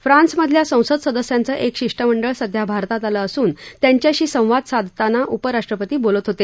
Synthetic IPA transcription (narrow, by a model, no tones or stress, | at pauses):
fɾãnsməd̪ʱljasə̃w̃səd̪səd̪əsjant͡səːʔekɕiʂʈəməɳɖəɭsəd̪ʱjabʱaɾt̪at̪aləːsuːnt̪jaɲt͡ɕjaɕiːsə̃w̃ʋad̪sad̪ʱt̪anaʔupəɾaʂʈɾəpət̪iːbolət̪ɦot̪e